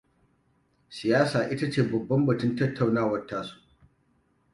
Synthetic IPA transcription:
sɪ˨jaː˦saː˨ʔɪ˦ta˦t͡ʃeː˨bɐ˨bːɐ˦mbɐ˨tʊ˦ntɐ˦tːa˨wnaː˦wɐ˨rtaː˦su̥ː˦

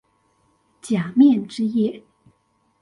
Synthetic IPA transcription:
t͡ɕja˨˩mjɛ˥˨nʈ͡ʂɻ̩˥jɛ˥˩

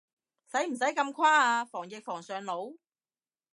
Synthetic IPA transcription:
sɐ˨˥jm̩˨˩s̬ɐ˨˥jkɐ˧mkʰwaː˥aː˧fɔː˨˩ŋjɪ˨k̚fɔː˨˩ŋsœː˨ŋlo˨˥w

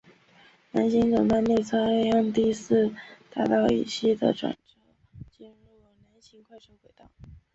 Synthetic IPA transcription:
na˧˥nɕi˧˥nt͡sɤ˨˩ŋt̪a˥˧nme˥˧˩ɪt͡sʰa˥e˥˧jɑ˥˧ŋt̪i˥˧sɹ̩˥˩t̪a˥˩t̪ɑ˥˩ʊḭ˨˩ɕi˥˩d̪ə̰˩ʈ͡ʂwa̰˨˩nʈ͡ʂɤ˥ | t͡ɕi˥˧nɻu˥˩na˧˥nɕʰi˧˥ŋkʰwa˥˧ɪʈ͡ʂʰo˧˥ʊkwe˨˩ɪt̪ɑ˥˩ʊ

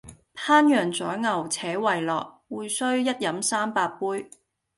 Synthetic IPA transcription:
pʰaː˥njœː˨˩ŋt͡sɔː˨˥jŋɐ˨˩wt͡sʰɛː˨˥wɐ˨jlɔː˨k̚ | wuː˨jsɵ˥ɥjɐ˥t̚jɐ˨˥msaː˥mpaː˧k̚puː˥j

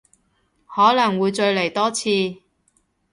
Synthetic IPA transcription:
hɔː˨˥lɐ˨˩ŋwuː˨˧jt͡ʃɵ˧ɥle˨˩jt̪ɔː˥t͡sʰiː˧

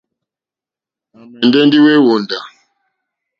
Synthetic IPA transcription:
a˨mɛ˨ndɛ˦ndi˦we˦wo˨nda˨

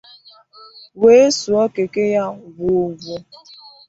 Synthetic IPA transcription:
we˦e˦su˨ɔ˦ke˨ke˦ja˦wu˨vu˦

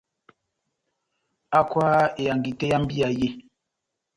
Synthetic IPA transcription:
a˦kwaː˦e˨a˨ŋ˨ɡi˨te˦ja˦m˦bi˦a˨je˦

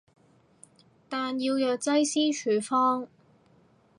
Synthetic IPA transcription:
t̪aː˨njiː˧wjœː˨k̚t͡sɐ˥jsiː˥t͡ʃʰyː˨˩fɔː˥ŋ

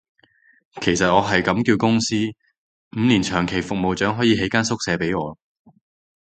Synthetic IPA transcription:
kʰe˨˩jsɐ˨t̚ŋɔː˨˧ɦɐ˨jkɐ˨˥mkiː˧wkʊ˥ŋsiː˥ | m̩˨˧liː˨˩nt͡ʃʰœː˨˩ŋkʰe˨˩jfʊ˨k̚mo˨wt͡ʃœː˨˥ŋɦɔː˨˥jiː˨˥ɦe˨˥jkaː˥nsʊ˥k̚sɛː˨˧pe˨˥jŋɔː˨˧

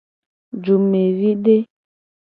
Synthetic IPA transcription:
d͡ʒu˨me˨ɾi˦de˦

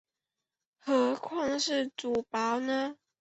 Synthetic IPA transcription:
xɤ˨˧˥kʰwɑ˥˧ŋʂɻ̩˥˩t͡su˨˩pa˨˧˦ʊnə˧

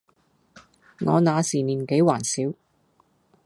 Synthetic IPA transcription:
ŋɔː˨˧naː˨˧siː˨˩niː˨˩nke˨˥jwaː˨˩nsiː˨˥w

